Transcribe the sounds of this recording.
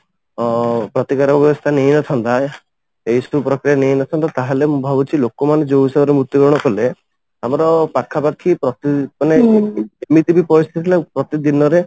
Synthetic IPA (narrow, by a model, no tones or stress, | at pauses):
pɾɔt̪ikaɾɔbjɔbɔst̪ʰanejnɔt̪ʰɔnt̪a | eisupɾɔkɾijanejnɔt̪ʰɔnt̪at̪aɦelemũbʱabut͡ʃʰilokɔmaned͡ʒoisebɔɾemɾut̪jɔɡɔɾɔɽ̃ɔkɔle | amɔɾɔpakʰːapakʰːipɾɔt̪imaneemit̪ibipɔɾist̪ʰit̪ʰilapɾɔt̪id̪inɔɾe